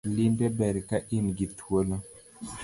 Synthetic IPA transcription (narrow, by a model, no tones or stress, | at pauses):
linbɛbɛɾikaʔinɡituola